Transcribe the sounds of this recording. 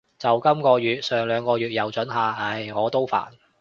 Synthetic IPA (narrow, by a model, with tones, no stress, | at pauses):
t͡sɐ˨˩wkɐ˥mkɔː˧jyː˨˩t̚sœː˨ŋlœː˨˧ŋkɔː˧ɥyː˨t̚jɐ˨wt͡ʃɵ˨˥nɦaː˨ɐ˧˥˩jŋɔː˨˧t̪o˥wfa̰ː˨˩n